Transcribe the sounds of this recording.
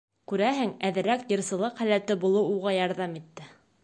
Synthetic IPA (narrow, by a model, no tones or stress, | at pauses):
kʉɾæɦɘŋæðɘ̆ɾækjɤ̆ɾsɤ̆lˠɤqχælæt̪ɘbulˠɤwuʁɑjɑɾðɑmit̪ːɘ